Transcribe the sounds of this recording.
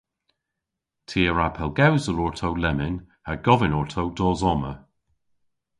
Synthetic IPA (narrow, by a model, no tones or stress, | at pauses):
tʰiːəɹapʰɛlˠɡawzəlɔɹtʰowlɛmɪn | haɡ̥ɔvɪnɔɹtʰowdɔːzɔmə